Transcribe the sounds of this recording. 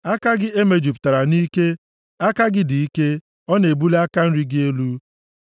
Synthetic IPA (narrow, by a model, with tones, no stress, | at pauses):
a˦ka˦ɡɪ˦e˦me˨d͡ʒi˨pta˨ɾa˨ni˦ke˦ | a˦ka˦ɡɪ˦di˨i˦ke˦ | ɔ˦ne˨bu˦le˦a˦ka˦n̩˦ɾi˦ɡɪ˦e˦lu˦